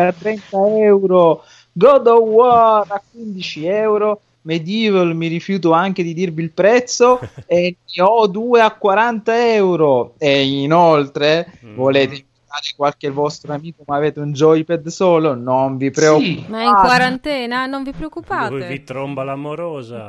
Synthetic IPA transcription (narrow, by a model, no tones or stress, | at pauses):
at̪ːɾɛnt̪aɛwɾo | ɡɔd̪owɔrakːwind̪it͡ʃiɛwɾo | med̪iːvolmiɾifjuːt̪̬oaŋk̟ed̪id̪irvilpɾɛt̪sːoemiɔd̪uːeakːwaɾant̪aɛwɾoeinolt̪ɾevoleːt̪eiɱvit̪aːɾekwalkevɔst̪ɾoamiːkomaːveːt̪eund͡ʒɔjpɛd̪sɔːlonoɱvipɾeokːmaiŋakːwaɾant̪ɛːnanoɱvipɾeokːupaːtɔvit̪ɾombalamoɾɔːza